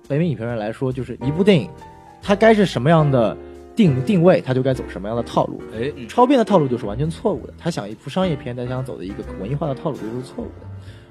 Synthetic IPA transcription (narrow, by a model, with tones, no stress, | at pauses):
pe˧˥ɪm˧˥i˨˩pʰɛ˥ɻə˧˥nla˧˥ɪʂwɔ˥t͡ɕjo˥˧ʊʂɻ̩˥˩ʔi˧˥pu˥˧t̪i˥˩i˨˩ŋ | t̪ʰa˥ka˥ɪʂɻ̩˥˩ʂə˧˥mə˧jɑ˥˩ŋd̪ə˩ | t̪i˥˧ŋt̪i˥˧ŋwe˥˩ɪt̪ʰa˥t͡ɕjo˥˧ʊka˥ɪt͡so˨˩ʊ˩ʂə˧˥mə˧jɑ˥˩ŋd̪ə˩t̪ʰɑ˥˧ʊlʔṵ˥˩ʈ͡ʂʰɑ˥ʊpʰjɛ˥˩nd̪ə˩ɑ˥˧lu˥˧t͡ɕjo˥˧ʂɻ̩˥˩wa˧˥nt͡ɕʰɥɛ˧˥n˥t͡sʰwɔ˥˧ṵ˥˩d̪ə̰˩t̪ʰa˥ɕjɑ˨˩ŋi˥˩pʰu˧˥ʂɑ˥ŋjɛ˥˧˩pʰjɛ˥nt͡sa˥˧ɪɕɑ˥t͡so˨˩d̪ə̰˦i˧˥ɡə˧kwə˧˥ni˥˧˥xwa˥˩d̪ə˩t̪ʰɑ˥˧ʊlu˥˩t͡ɕo˥˩˥ɻ̩˥t͡sʰwɔ˥˧ṵ˥˩d̪ə˩